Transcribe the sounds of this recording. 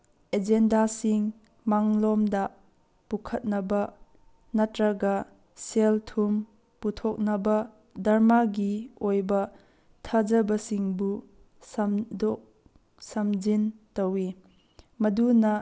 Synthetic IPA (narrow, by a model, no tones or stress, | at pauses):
ed͡ʒendasiŋ | maŋlɔmdɐ | pukʰɐt̚nɐbɐ | nɐtɾɐɡɐ | seltʰum | putʰɔk̚nɐbɐ | dɐɾmaɡiojbɐ | tʰɐd͡ʒɐbɐsiŋbu | sɐmdɔk̚ | sɐmd͡ʒintɐwi | mɐdunɐ